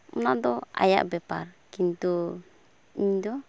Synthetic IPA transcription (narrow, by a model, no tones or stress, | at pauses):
munaʔd̪ɔa̰ja̰ʔbɛpaɾkint̪u | iɲd̪ɔ